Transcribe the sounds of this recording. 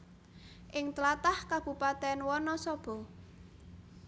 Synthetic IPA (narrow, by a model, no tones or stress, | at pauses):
ʔɪŋt̪əlat̪ahkab̥ṳpat̪ɛnwɔnɔsɔb̥ɔ̤